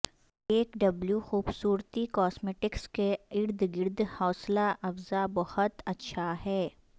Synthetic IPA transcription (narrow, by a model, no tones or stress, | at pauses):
eːkɖɐbljuxuːbsuːɾt̪ikɔːsmeːʈɪkskeɪɾd̪ʱɡɪɾd̪ʱhɔːslaʔɐfzabɐhʊt̪ɐtːʃʰaɦɛː